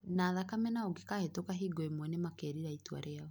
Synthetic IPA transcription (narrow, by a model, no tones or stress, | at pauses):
naðakamɛnaoɡekahetokaɦiɡoemwɛnemakeɾiɾaitua̰ɾʔeaɔ